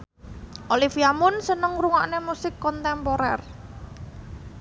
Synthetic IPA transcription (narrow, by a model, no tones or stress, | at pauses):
ʔolifiamʊnsənəŋruŋaʔnemusɪkːɔnt̪ɛmpɔɾɛ̰r